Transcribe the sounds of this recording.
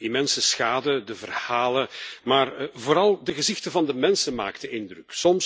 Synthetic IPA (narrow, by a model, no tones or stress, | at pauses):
imɛnsəsxaːdədəvərhaːləmaːrvoːɾɑlˠdəɣəzɪxtəvɑndəmɛnsəma̰ːktəʔɪndrʏksɔms